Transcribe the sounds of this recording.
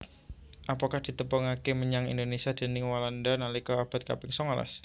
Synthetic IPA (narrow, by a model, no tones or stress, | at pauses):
ʔapakahd̥i̤t̪əpɔŋakeməɲaŋḭnd̪onesiad̪̥e̤nɪŋwalandanalikɔab̥a̤t̪̚ka̰pɪŋsɔŋala̰s